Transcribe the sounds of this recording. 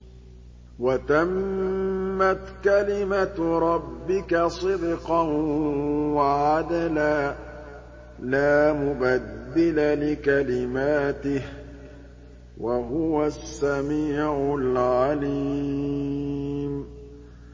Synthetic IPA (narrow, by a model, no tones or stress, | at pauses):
wat̪amː | at̪kalɪmaɾˤɑbːɪkasˤɨd̪qɑn | waʕad̪ala | laːmʊbad̪ːɪlalɪkalɪmaːt̪ɪh | waɦʊwasːamiːʕʊlʕaliː | m